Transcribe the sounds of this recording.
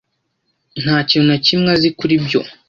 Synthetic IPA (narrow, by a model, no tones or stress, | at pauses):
n̥haːcinunacimŋazikuɾibɟo̰